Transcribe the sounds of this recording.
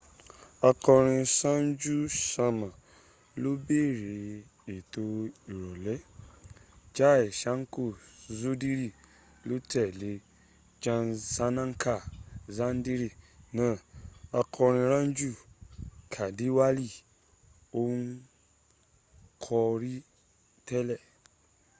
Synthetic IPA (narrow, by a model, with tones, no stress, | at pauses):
a˧kɔ˧ɾ̃ĩ˧sã˦n˦d͡ʒu˦ʃa˧mã˨ | lo˦be˦˨ɾe˨ | e˨to˧i˨ɾɔ˨lɛ˨˦ | d͡ʒa˦ɛ˨ʃa˨˦ŋ̩˦ko˦˨zu˦di˦ɾi˦˨ | lo˦tɛ˦˨le˨˦ | d͡ʒã˧za˧˦nã˦ŋ˦kʰa˦˨zã˦n˦di˦ɾi˦˨nã˨˦˨a˧kʰɔ˧ɾ̃ĩ˧ɾã˦n˦d͡ʒu˦˨kʰa˨di˨˦wa˦li˦˨ | o˦u˦ | kʰɔ˧ɾi˦ | tɛ˦lɛ˦˨